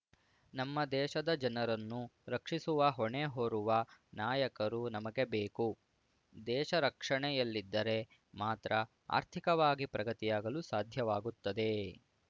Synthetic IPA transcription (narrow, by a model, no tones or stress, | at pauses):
nɐmːɐd̪ɛːʃɐd̪ɐd͡ʒɐnɐɾɐnːuɾɐkʂisuʋɐɦɔɳeɦoːɾuʋɐnaːjɐkɐɾunɐmɐɡe̞beːku | d̪ɛːʃɐɾɐkʂɐɳɛjɐlːid̪ːɐɾe̞ | maːt̪ɾʔɐ | a̰ːɾt̪ʰikɐʋaːɡipɾɐɡɐt̪ijaːɡɐlusaːd̪ʱjɐʋaːɡut̪ːɐd̪e̞